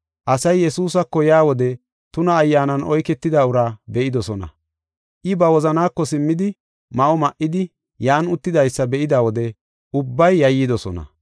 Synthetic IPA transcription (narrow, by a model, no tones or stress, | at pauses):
ʔɐsɐjjɛsuːs̬ɐkːɔjaːwɔd̪ɛ | t̪ʊnɐːjːaːnɐnʔɔjkɛt̪ːɪd̪aʊɾaːbɛʔɪd̪ɔsɔnɐ̰ | ʔɪbɐwɔzɐnaːkːɔsɪmːɪd̪ɪ | mɐʔɔmɐʔɪd̪ɪ | jaːnʊt̪ːɪd̪ɐjsːɐbɛʔɪd̪aːwɔd̪ɛ | ʔʊbːɐjːɐjːɪd̪ɔsɔ̰nɐ̰